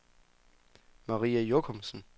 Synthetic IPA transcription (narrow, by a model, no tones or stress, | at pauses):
mɑʁḭːæjokʰɔmsn̩